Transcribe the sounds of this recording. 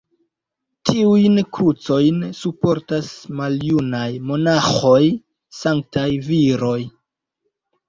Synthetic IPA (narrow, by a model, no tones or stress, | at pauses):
tʰiujnkʰut͡so̞jnsupo̞ɾtasmaljunajmo̞naxo̞j | saŋk̚tajviɾo̞j